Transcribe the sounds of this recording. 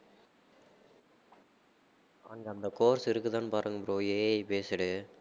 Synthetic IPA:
ɐ̰ŋɡɐɐnd̪ɐkoːɾsɪɾɯkːɯt̪ːaːnpaːɾɯŋɡɐpɯɾoːeːɐjpeːsɪɽɯ

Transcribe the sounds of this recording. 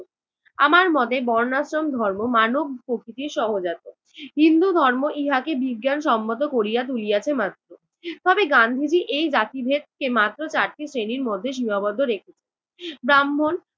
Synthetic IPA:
a̰maɾmɔt̪ebɔɾnasɾomd̪ʱɔɾmomanob̚ʱkokʰit̪iɾʃɔɦod͡ʑat̪o | ɦind̪ud̪ʱɔɾmoʔiɦakebiɡːanʃɔmːot̪̬okoɾijat̪̬ulijat͡ɕʰemat̪ːɾo | t̪ɔbeɡand̪ʱid͡ʑiʔejd͡ʑat̪ibʱet̪̚kemat̪ːɾot͡ɕaɾt̪ʰisɾeniɾmod̪ʱːeʃ̬imabɔd̪ʱːoɾekʰet͡ɕʰe | bɾamːon

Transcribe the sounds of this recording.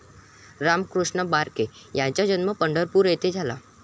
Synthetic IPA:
ɾamkɾuʂɳəbaɾkejãt͡ɕad͡ʑənməpəɳɖəɾpuːɾjet̪ed͡zʱala

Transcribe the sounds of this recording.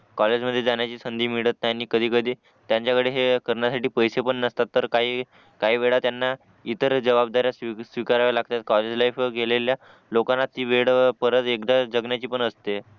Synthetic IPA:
kɔled͡ʑməd̪ʱːjed͡zaɳjat͡ɕiːsənd̪ʱiːmiɽət̪najaniːkəd̪ʱiːkəd̪ʱiː | t̪jãɲt͡ɕjakəɽeɦekəɾɳjasaʈiːpəjsepəɳːəst̪at̪ːəɾkaɦiː | kaɦiːʋeɭat̪janːa | it̪əɾd͡ʑəʋab̚d̪aɾjassʋikaɾaʋalaɡt̪at̪̚kɔled͡ʑlajfɡelelja | lokanːat̪ːiːʋeɽpəɾət̪ekd̪ad͡ʑəɡnjat͡ɕiːpəɳəst̪e

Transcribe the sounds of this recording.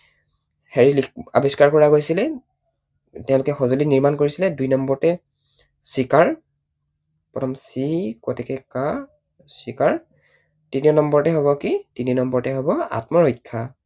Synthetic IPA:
heɹilia̰biskaɹkɔɹaɡojsilɛ | tɛʊ̃lʊkɛxɔzoliniɹmankoɹisilɛdujnɔmbɔɹtɛ | sikaɹ | pɔtʰɔmsikɔtɛkɛka | sikaɹ | tiniɔnɔmbɔɹtɛɦoβɔkitininɔmbɔɹtɛɦobɔa̰tmɔɹojkʰːa

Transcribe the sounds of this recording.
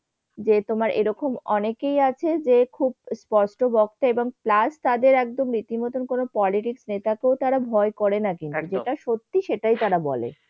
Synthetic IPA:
d͡ʑet̪omaɾʔḛɾɔkomɔnekejat͡ɕʰed͡ʑekʰubspɔɾʃʈobɔk̚t̪aeboŋplast̪ad̪eɾɛk̚d̪omɾit̪imɔt̪onkonopɔliʈiksnet̪akeot̪aɾabʱɔekɔɾenakintt̪ud͡ʑeʈaʃot̪ːiʃeʈajt̪aɾabɔ̰lḛ

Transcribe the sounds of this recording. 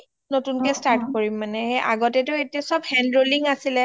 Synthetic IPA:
notunkɛstaɹtkoɹimːanɛhɛʔaɡɔtɛtʊetiasɔbhɛndɹoliŋasilɛ

